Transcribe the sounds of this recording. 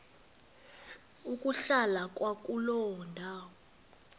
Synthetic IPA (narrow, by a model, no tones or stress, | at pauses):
ukʼuɬalakʼwakʼulɔwɔndʱaːwɔ